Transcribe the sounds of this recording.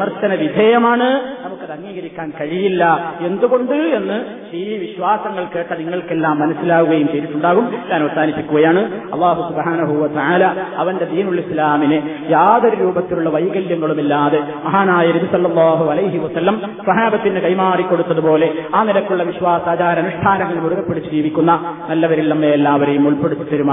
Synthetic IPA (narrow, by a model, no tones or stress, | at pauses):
mɐrtːɐnɐʋid̪ʱejɐmaːɳɨnɐmukːɨt̪ɐŋːiːɣɐɾikʲːaːnkɐɻijilːɐe̞nd̪uɣo̞ɳɖue̞nːɨ | iːʋiɕʋaːsɐŋːɐɭke̞ːʈːɐniŋːɐɭkelːaːmːɐnɐsːilaːɣuɣɐjumteːɾit̪ːuɳɖaːɣumɲaːnɐʋɐsaːnipːikʲːuɣɐjaːɳɨɐ̰lˠˤːaːɦusubhaːnɐɦuʋɐt̪ɐʕaːlaːɐʋɐnde̞d̪iːnuɭislaːmine | jaːðɐɾɐɾuːbɐt̪ːiluɭːɐʋɐjɣɐljɐŋːɐɭumilːaːðe | mɐɦaːnaːjɐnɐbisɐlːɐlˠˤːɑːɦuɐlɐjɦiʋɐsɐlːɐmsɐɦaːbɐt̪ːinɨkɐjmaːrikːo̞ɽut̪ːɐðupo̞ːle̞aːnilɐkːuɭːɐʋiɕʋaːsaːt͡ɕaːɾɐnuʂʈʰaːnɐŋːɐɭmuɽuɣɐpːe̞ɽit͡ɕːud͡ʑiːʋikʲːunːɐnɐlːɐʋɐɾilːɐmːeːlːaːʋɐɾejumːuɭpeɽut̪ːit̪ːɐɾuma